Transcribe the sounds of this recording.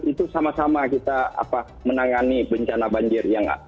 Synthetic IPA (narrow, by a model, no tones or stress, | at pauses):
it̪usamasamakit̪aa̰pa | mənaŋanibəɲt͡ʃanabaɲd͡ʒɪrjaŋ